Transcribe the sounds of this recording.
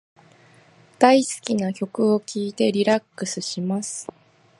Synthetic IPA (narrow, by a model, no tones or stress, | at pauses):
d̪̥aisɨ̥kʲinakʲo̞kɯ̟o̞kʲiːt̪e̞ɾʲiɾakːɯ̟sɨɕimasɨ̥